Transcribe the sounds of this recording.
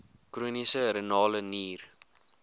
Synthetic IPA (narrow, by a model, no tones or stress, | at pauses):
kruənisəɾənɑːləniːr